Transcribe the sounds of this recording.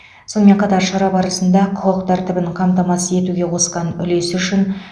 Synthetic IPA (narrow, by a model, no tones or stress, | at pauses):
so̞nəme̞ɴqʰɑt̪ɑɾʃɑɾɑbɑɾəsənd̪ɑqʰʊəqt̪ʰæɾt̪ɪbɪɴqʰɑmt̪ɑmɑsəe̞t̪uɡʲe̞wo̞sqɑnʏ̰le̞sʏʃɪn